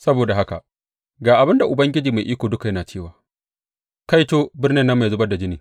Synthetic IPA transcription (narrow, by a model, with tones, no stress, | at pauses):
sɐ˦boː˨da˨ɦa˦ka̰˨ | ɡaː˨ʔa˨bɪ˦nda˨ʔʊ˨bɐ˦ŋɡʲɪ˦d͡ʒiː˨ma˨jʔiː˦kʷoː˨dʊ˦ka˨jɐ˦naː˨t͡ʃeː˦waː˨ | ka˦jtoː˦bɪ˦rnɪ˦nːɐ˦mːa˨zʊ˦bɐ˦da˨d͡ʒɪ˦niː˨